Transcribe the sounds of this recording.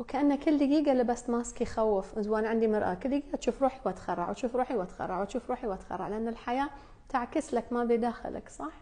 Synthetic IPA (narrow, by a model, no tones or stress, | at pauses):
wkaʔanːakːɪlːɪɡiːɡalibast̪maːskjxawːɪfʔɪzwaːnʕɪnd̪imɑɾʔa̰kɪld̪ɪɡiːat̪ʃuːfɾˤuːħiwat̪xɑrˤːɑ̰ʕwt̪ʃuːfɾˤuːħiwat̪xɑ̰rˤːɑʕwt̪ʃuːfɾˤuːħiwat̪xɑ̰rˤːɑ̰ʕlɪʔanːɪlħajaː | t̪aʕkɪslakmabid̪aːxɪ̰la̰ksˤɑħ